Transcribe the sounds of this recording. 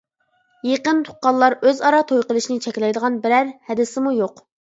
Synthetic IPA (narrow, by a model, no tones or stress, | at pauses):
jeqənt̪ʰʊ̥qɑlˠːɑɾøzɑɾɑt̪ʰojqəlˠɨʃinɪt͡ʃʰɛkʲlɛjd̪əʁɑnbɪɾæɾhɛd̪ɪsɪmujoq